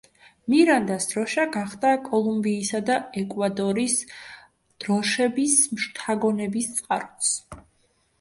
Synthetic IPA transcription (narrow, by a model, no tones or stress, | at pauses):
miɾand̪asd̪̥ɾɔʃaɡaχd̪akʼɔlˠumbiːsad̪aɛkʼwad̪ɔɾis | d̪̥ɾɔʃɛbismʃt̪ʰaɡɔnɛbist̪sʼqʼaɾɔt̪s